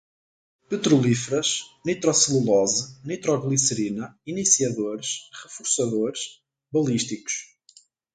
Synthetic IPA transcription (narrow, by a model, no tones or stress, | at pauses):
pɨt̪ɾulˠifɾɐʃnit̪ɾɔsilˠulˠɔzɨnit̪ɾɔɣlˠisɨɾinɐinisiɐðoɾʃʁɨfuɾsɐðoɾʃ | βɐlˠiʃt̪iku̥ʃ